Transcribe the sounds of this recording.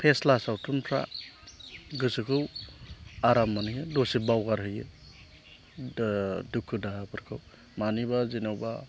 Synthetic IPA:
pʰeslasawtʰuntʰɾa̰ | ɡɯsɯkʰɯw | aɾamːanɯkɯdosibawɡaɾɦɯjɯ | dukʰːɯdaɦapʰɯɾkʰɯw | manibazinawba

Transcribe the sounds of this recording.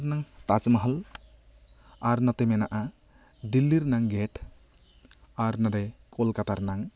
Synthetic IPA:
ɾnaŋt̪at͡ʃmɐɦəl | aɾnat̪emɛnaʔa | d̪ilːiɾnaŋɡeʈ | aɾnadɛkʰolkat̪aɾnaŋ

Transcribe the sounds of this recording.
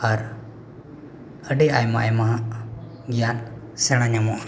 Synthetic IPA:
aɾ | əɖɛajma̰ʔɛmaɦaʔ | ɡijan | sɛɽ̃aɲamɔa

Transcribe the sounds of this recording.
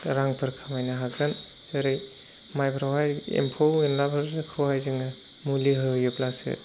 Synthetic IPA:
ɾaŋpʰɯɾkʰamajnaɦaɡɾan | ɯɾɯj | majbʰɾawɦajḛmpʰowenlabʰɯɾzɯkʰɯwhajzɯŋɯ | muliɦɯjɯplasɯ̰

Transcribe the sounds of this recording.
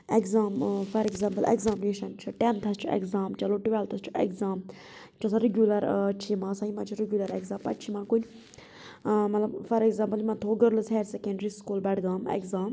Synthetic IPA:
ekzaːmfʰɐɾɛɡzãːmpəlḛkzaːmineːʃɐnt͡ʃʰuʈent̪ʰɐst͡ʃʰuḛkzaːmt͡ʃɐloːʈʋɛlt̪ʰɐst͡ʃʰu̥ḛkzaːm | t͡ʃɐsaɾeɡʲjuːlɐɾt͡ʃʰimãːsaːimãːt͡ʃʰuɾeɡʲjuːlɐɾekzãːmpɐ̰t͡ʃʰimãːkun | mɐt̪lɐbfɐɾɛɡzãːmpɐlimãt̪ʰoːɡəɾlzɦeːɾsɛkẽɳɖɾiskuːlbɛɖɡaːmḛkzaːm

